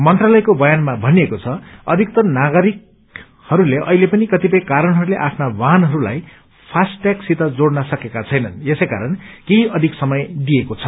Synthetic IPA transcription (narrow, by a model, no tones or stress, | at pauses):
mʌnt̪ralʌjkobʌjanmabʱʌniekot͡sʰʌʌd̪ʱikt̪ʌnaɡʌɾik̚ | hʌɾuleʔʌ̰ɦilepʌnikʌt̪ipʌjkaɾʌnɦʌɾuleʔapʰnawaɦnɦʌɾula̰j | pʰasʈjaksit̪ʌd͡zoɽnʌsʌkekat͡sʰʌjnʌnesejka̰ɾʌnkeɦiʌd̪ʱiksʌmʌjd̪iekot͡sʰʌ